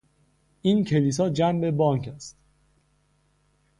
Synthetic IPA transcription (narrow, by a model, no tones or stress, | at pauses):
ʔiːncʰe̞liːs̬ɒːd͡ʒænbe̞bɒːŋcʰæst̪